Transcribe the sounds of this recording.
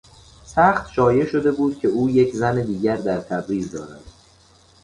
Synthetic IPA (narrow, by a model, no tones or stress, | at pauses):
sæːχt̪ʃɒːje̞ʃo̞d̪e̞buːd̪̥̚cʰe̞uːjecʰzæned̪iːɡɟæɾd̪æɾt̪ʰæbɾiːzd̪ɒ̰ːɾæ̰d̪̥